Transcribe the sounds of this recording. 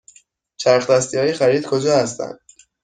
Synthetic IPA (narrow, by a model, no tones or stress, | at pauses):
t͡ʃʰæɾxd̪æst̪iɒːjexæɾiːd̪kʰod͡ʒɒːhæst̪æ̰nd̪̥̚